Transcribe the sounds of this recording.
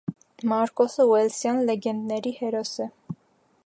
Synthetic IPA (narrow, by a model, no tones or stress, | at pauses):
mɑɾkɔsəwɛlsjɑnlɛɡɛnd̪nɛɾihɛɾɔsɛ